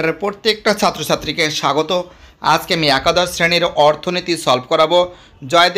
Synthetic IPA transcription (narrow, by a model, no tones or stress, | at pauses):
ɾeɾpɾoɾt̪ːek̚ʈat͡ɕʰat̪ːɾot͡ɕʰat̪ːɾikeʃaɡot̪o | a̰d͡ʑkeamiakad̪ɔɾsɾeniɾɔɾt̪ʰonit̪isɔlbkɔɾabo | d͡ʑɔed̪